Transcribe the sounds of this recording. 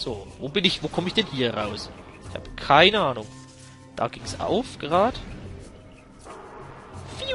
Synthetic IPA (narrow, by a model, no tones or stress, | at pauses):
z̥oːvoːbɪnɪçv̥oːkʰɔməɪçd̥ɛnhiːɐʁaʊs | ʔɪçha̰ːbə̥kʰaɪnəaːnʊŋ | d̥a̰ːɡ̥ɪŋsʔa̰ʊfɡ̥əʁaːd̥ə | fi